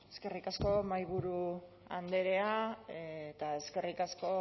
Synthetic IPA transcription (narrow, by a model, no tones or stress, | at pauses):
eske̞rikasko̞majβuɾu | a̰nd̪e̞ɾe̞aet̪ae̞ske̞rikasko̞